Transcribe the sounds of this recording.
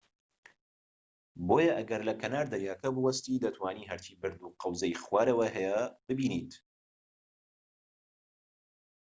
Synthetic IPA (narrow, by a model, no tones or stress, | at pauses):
boːjɐʔɐɡɐɾlɐkʰɐnaːɾd̪ajaːkɐbɨwɐst̪iːd̪ɐt̪ʰwaːniːɦɐɾt͡ʃiːbɨɾd̪uqɐwzɐjxwaːɾɐwɐɦɛjɐb̥ɨbiːniːt̪